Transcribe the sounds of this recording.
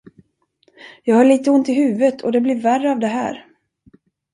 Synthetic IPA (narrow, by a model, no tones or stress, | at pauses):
jɑːɡhɑːɭiːt̪əʊnt̪ɪɦʉ̟ːvət̪ʰɔd̪ɛblɪɾværːəɑvd̪ɛɦæ̰ːɾ